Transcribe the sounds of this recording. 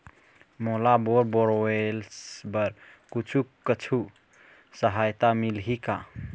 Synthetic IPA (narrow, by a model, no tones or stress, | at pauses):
molaboɾboɾoelsbəɾkut͡ʃʰukət͡ʃʰu | səɦajt̪amilɦika̰